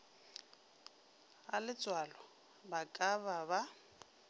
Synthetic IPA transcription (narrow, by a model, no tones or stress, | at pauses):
alɪt͡sʼwalɔ | bakʼaβaba